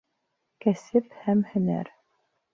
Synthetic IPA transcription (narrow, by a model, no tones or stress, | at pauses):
kæsɘphæmhɘ̆næ̰ɾ